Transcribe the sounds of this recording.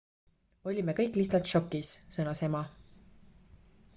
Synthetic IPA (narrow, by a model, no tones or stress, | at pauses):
o̞lʲimekɤjkːˑliht̪sɑlt̪ʃo̞kːˑissɤnɑsemɑ